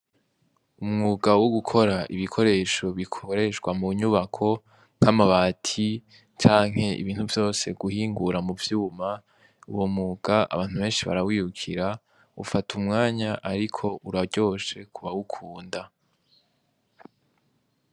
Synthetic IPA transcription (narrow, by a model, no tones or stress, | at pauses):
umŋuːɡawoɡukʰo̞ɾaʔiβikʰo̞ɾe̞ːʃo̞βikʰoɾe̞ʃɡwamuɲuβakʰo̞ | ŋ̥amaβaːtʰi | t͡ʃaːŋ̥he̞ḭβiːnhuvjo̞ːse̞ɡ̥uhiːŋɡuɾamuvjuma | uwomŋuːɡ̥aa̰βaːn̥uβe̞ːnʃiβa̰ɾawiːhukʰiɾa | ufatʰumŋaːɲaʔaɾikʰo̞ʔuɾaɟo̞ːʃe̞kʰuβawukʰuːnda